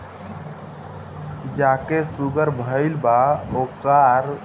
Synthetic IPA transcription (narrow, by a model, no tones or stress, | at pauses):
d͡ʒakesuɡəɾbʱəɪlbaokəɾ